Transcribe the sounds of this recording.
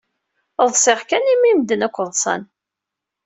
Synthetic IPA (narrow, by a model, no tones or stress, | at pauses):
ðˤsˤɪʁkænimimd̪ənækʷːəðˤsˤɑ̰n